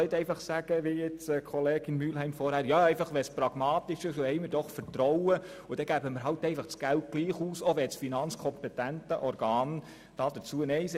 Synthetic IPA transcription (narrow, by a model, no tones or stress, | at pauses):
ɛɪt̪ɛɪfɑχsæɡ̥əʋijɛt͡sːkʰɔleːɡ̥ɪnmyːlɦɛɪmfɔɾhæːɾjɑːɛɪfɑχʋɛsprɑɡ̥mɑːt̪ɪʃɪʃohɛɪmɪɾdɔχfəɾtɾɔwə | ʊd̥̪ɛɡ̥æbəməɾɦɑltɛɪfɑχsɡ̥ælt̚ɡ̥liːχuːsoʋɛsfinɑnt͡skʰɔmpɛtæntəʔɔɾɡ̥ɑːn | d̥ɑːd̥̪ət͡suənɛɪs